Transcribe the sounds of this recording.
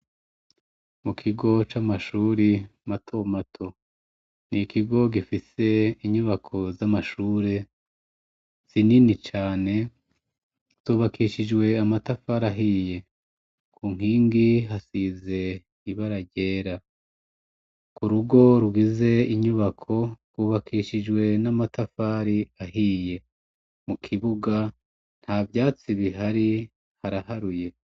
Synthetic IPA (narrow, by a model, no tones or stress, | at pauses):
mukʰiɡo̞t͡ʃamaʃuːɾimatʰo̞matʰo̞ | nikiɡo̞ɡifise̞iɲuβakʰo̞zamaʃuːɾe | z̥ininit͡ʃaːne̞ | z̥uːβakiʃid͡ʒɡwe̞amatafaɾaɦije̞ | kʰuːŋ̥hiːŋɡiɦasize̞ | iβaɾaɟe̞ːɾa | kuɾuɡo̞ɾuɡize̞iɲuβakʰo̞ɾɡwuːβakʰiʃid͡ʒɡwe̞namatafaɾiaɦiːje̞ | mukʰiβuɡa | n̥haːvjaːt͡siβiɦaɾi | haɾahaɾuje̞